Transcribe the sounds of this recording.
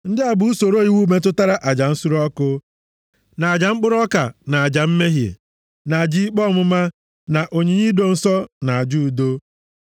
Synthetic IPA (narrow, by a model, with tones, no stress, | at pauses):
n̩˦dɪ˦a˨bʊ˨˦u˦so˨ɾo˦i˦wu˦me˦t̬ʊ˦ta˦ɾa˨ʔa˨d͡ʒa˨n̩˦su˦ɾɔ˦kʊ˦ | na˨a˨d͡ʒa˨ŋ͡m̩˦k͡pʊ˦ɾɔ˦ka˨na˨a˨d͡ʒa˨m̩˦me˦ɦjḛ˨ | na˨a˨d͡ʒi˦k͡pɔ˦mʊ˦ma˦ | na˨ʔo˨ɲe˨ɲi˦do˦n̩˦sɔ˦na˨a˨d͡ʒu˦u˨do˦